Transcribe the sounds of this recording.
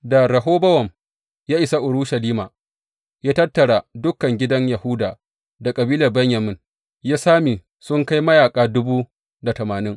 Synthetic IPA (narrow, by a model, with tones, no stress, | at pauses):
da˨ɾɐ˨ɦoː˦bɐ˦wɐ˨m | jaː˦ʔɪ˨sa˦ʔʊ˨ɽu˦ʃɐ˨liː˦maː˨ | jaː˦tɐ˦tːɐ˨ɽa˨dʊ˦kːɐ˨ŋɡʲɪ˦dɐ˦ɲjɐ˨hʊ˦daː˨ | da˨kʼɐ˨biː˦lɐ˨rbɐ˦ɲjɐ˨mɪ˦n | jaː˦saː˦miː˨ | sʊ˦ŋka˦jmɐ˦jaː˨kʼaː˨dʊ˦buː˦ | da˨tɐ˨maː˨nɪ˦ŋ